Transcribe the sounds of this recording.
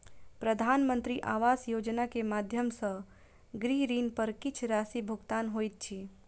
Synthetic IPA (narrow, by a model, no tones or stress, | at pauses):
pɾəd̪ʱaːnmə̃nt̪ɾiʔaːʋaːsjod͡ʒnakemad̪ʱjəmsə̃ | ɡɾiɦɾiːnpəɾkɪt͡ʃʰɾasibʱʊɡt̪aːnɦojt̪̚t͡ʃʰi